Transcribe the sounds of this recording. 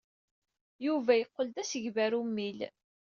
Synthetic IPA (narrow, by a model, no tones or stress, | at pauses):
juvæjəqːəld̪æsəʝvæɾumːil